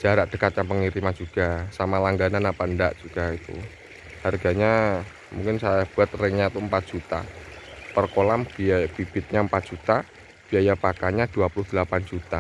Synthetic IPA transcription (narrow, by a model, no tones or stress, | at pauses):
d͡ʒ̥aɾaʔd̥əkat̪̚jaŋpəŋiɾimad͡ʒuɡ̥asamalaŋɡananapaəndaʔd͡ʒ̥uɡ̥ait̪ṵ | harɡaɲa | muŋkɪnsajab̥uat̪̚rɛŋɲat̪umpat̪̚ʒ̥ut̪a̰pərkolambib̥ib̥ɪt̪̚ɲaəmpat̪̚d͡ʒ̥ut̪a | b̥iajapakaɲad̥uapulʊhd̥əlapand͡ʒut̪a